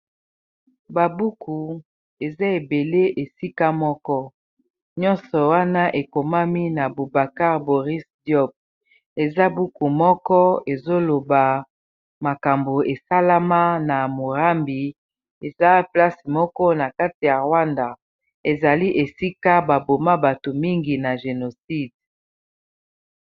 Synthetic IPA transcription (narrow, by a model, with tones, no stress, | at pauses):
ba˨bu˦ku˨ | e˨za˦e˨be˨le˦ʔe˨si˦ka˦mɔ˦kɔ˦ | ɲɔ˦nsɔ˨wa˦na˦ʔe˨ko˨ma˦mi˦na˨bo˨ba˨ka˦ʁbo˨ʁi˦sdjɔ˦b̚ | e˨za˦bu˦ku˨mɔ˦kɔ˦e˨zo˦lo˨ba˨ | ma˨ka˨mbo˨e˨sa˦la˦ma˦na˨mo˨ʁa˦mbi˨ | e˨za˦pla˦smɔ˦kɔ˦na˨ka˦ti˨ja˨ʁwa˦nda˨ | e˨za˨li˦ʔe˨si˦ka˦ba˨bo˨ma˦ba˨to˨mi˦ŋɡi˨na˨ʒe˨no˨si˦d